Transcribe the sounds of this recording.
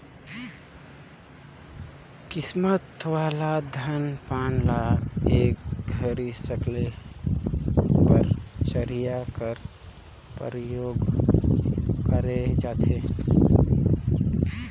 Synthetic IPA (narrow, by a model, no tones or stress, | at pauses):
kɪsmət̪waːlad̪ʱənpaːnlaeːkɡʱəɾisəkle | pəɾsəɾijakəɾ | pə̰ɾjoːɡ | kəɾed͡ʒaːt̪ʰeː